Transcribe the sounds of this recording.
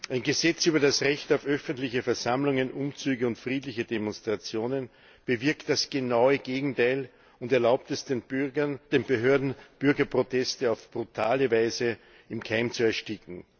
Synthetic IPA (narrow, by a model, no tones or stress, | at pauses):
ʔæɪnɡəzɛt͡syːbɐdasʁɛçtaʊfʔœfəntlɪçəfɛɐzamlʊŋənʔʊmt͡syːɡəʊntfʁiːtlɪçədemɔnstʁ̥at͡sjoːnən | b̥əvɪɐktd̥asɡ̥ənaʊəɡ̥eːɡŋ̩taɪl | ʊntɛɐlaʊp̚tɛs | d̥eːnb̥əɦøːɐdn̩b̥ʏɐɡɐpʁotʰɛstəaʊfb̥ʁutʰaːləvaɪzə | ɪmkʰaɪmt͡suɛɐʃtɪkŋ̩